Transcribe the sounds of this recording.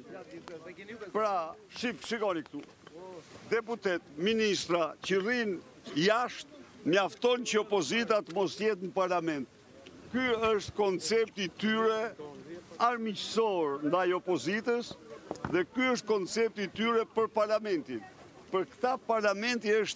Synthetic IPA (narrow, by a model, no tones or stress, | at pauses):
pɾaʃifʃikɔnikt̪u | d̪ɛput̪ɛt̪minist̪ɾacərin | jaʃt̪̚maft̪ɔnt͡ɕəɔpɔzit̪at̪əmɔst̪jɛt̪nəpaɾlamɛnt̪̚ | kyəʃt̪kɔnt͡sɛp̚t̪it̪yɾɛ | aɾmicəsɔɾnd̪ajɔpɔzit̪əsðɛkyəʃt̪̚kɔnt͡sɛp̚t̪it̪yɾɛpəɾpaɾlamɛnt̪in | pəɾkt̪apaɾlamɛnt̪iəʃt̪